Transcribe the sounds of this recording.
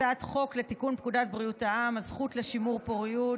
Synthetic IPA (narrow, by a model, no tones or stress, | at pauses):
at̪χo̞klet̪ikunpkudat̪̚bʁijutaamazχut̪leʃimuʁpoʁiju